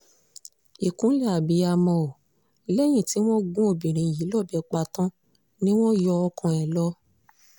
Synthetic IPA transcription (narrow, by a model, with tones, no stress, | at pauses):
i˨kũ˨˦lɛ˦a˨bi˨˦a˧mɔ̃˧o˨ | lɛ˦j̃ĩ˦˨ti˨˦w̃ɔ̃˦ɡũ˦o˧˨bĩ˨ɾ̃ĩ˨˧˨ji˨˦lɔ˦˨bɛ˨˧k͡pa˧tɔ̃˦ | nĩ˦w̃ɔ̃˦jɔ˧ɔ˧kɔ̃˧ɛ˨lɔ˦